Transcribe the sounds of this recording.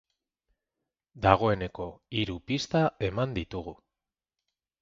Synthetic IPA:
d̪aɣ̞o̞e̞ne̞ko̞iɾupist̪ae̞mand̪it̪uɣu

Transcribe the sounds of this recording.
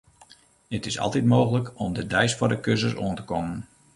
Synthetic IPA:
dətɪsɑ̰lˠtitmoːxələkɔmdədɛjsfɔdəkøs̬əso̰əntəkɔmən

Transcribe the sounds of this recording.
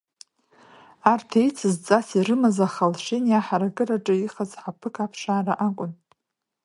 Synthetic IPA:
artʰejt͡sʰɨzt͡sʼasiɾɨmazaχalʃʷɪnjaħaɾaɡɨraʈ͡ʂʼɨiχazħapʰɨkʰapʰʂaːraʔakʷʼʊn

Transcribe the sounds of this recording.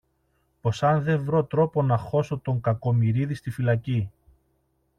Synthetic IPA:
po̞sɐnðe̞ɱvɾo̞t̪ɾo̞po̞nɐxo̞so̞t̪o̞ŋkɐko̞miɾiðist̪ifilɐci

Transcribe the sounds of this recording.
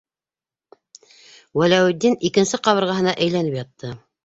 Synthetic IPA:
wælæwɘ̆d̪ːinikɘ̆nsɘqɑβɤ̆ɾʁɑɦɤ̆nɑʔæjlænɘpjɑt̪ːɤ

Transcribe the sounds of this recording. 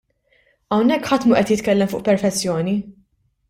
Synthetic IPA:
ɐwnɛkːħɐt̪muʔɛt̪jɪt̪kɛlːɛmfʊːʔpɛɾfɛt͡sːjɔːni

